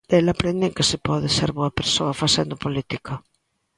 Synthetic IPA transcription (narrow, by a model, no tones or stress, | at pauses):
elapɾend̪ɪeŋkesɪpɔðɪseɾβoɐpeɾsoɐfasend̪ʊpolit̪ikɐ